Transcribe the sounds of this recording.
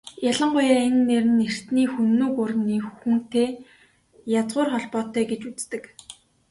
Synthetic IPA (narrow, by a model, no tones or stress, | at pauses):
jaɮə̆ɴɢʊjaːenːeɾɘ̆nːer̥t̪niːxunːuːkʊr̆nːiːxxxun̥t̪eː | jat͡sʁʊːrχɔɮpɔːt̪ːœːɡet͡ɕut͡st̪ɘ̆k